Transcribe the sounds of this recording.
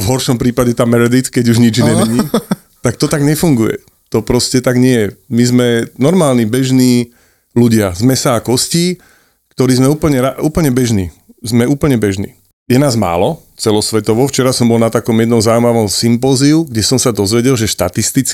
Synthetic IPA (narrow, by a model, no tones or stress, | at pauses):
vɦɔɾʃɔmpɾiːpaɟɛt̪aːmɛɾɛd̪it̪kɛɟuʒɲid͡ʒɲɛmɛɲiː | t̪ak̚t̪ɔt̪aɡɲɛfuŋɡujɛ̰ | t̪ɔpɾɔscɛt̪aɡɲɪɛjɛmizmɛnɔɾmaːlnibɛʒniː | luɟɪazmɛsaːkɔsciː | kt̪ɔɾiːzmɛuːpl̩ɲɛɾauːpl̩ɲɛbɛʒnḭːzmɛuːpl̩ɲɛbɛʒnḭː | jɛnaːzma̰ːlɔ | t͡sɛlɔsʋɛt̪ɔʋɔft͡ʃɛɾasɔmbɔlnat̪akɔmjɛd̪nɔmzaumaʋɔmsimpɔːziuɡɟɛsɔmsad̪ɔzʋɛɟɛlʒɛʃt̪at̪ist̪it͡s